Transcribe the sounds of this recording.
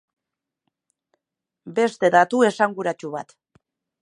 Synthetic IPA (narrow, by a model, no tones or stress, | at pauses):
be̞st̪e̞ðat̪ue̞saŋɡuɾat͡ʃuβa̰t̪